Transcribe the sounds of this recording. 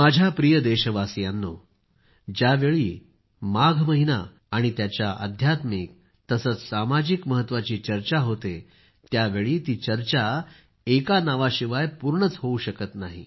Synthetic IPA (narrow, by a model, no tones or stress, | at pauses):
mad͡ʑʱjapɾijəd̪eɕəʋasjanːo | d͡ʑaʋeɭiː | maɡʱməɦinaː | ɽ̃it̪jat͡ɕjaʔə̰d̪ʱjat̪miːk̚ | t̪əsət͡ssamad͡ʑikməɦət̪ːʋat͡ɕiːt͡ɕəɾt͡ɕaɦot̪e | t̪jaʋeɭiːt̪iːt͡ɕəɾt͡ɕa | ekanaʋaɕiʋajpuɾɳət͡sɦouɕəkət̪naɦḭ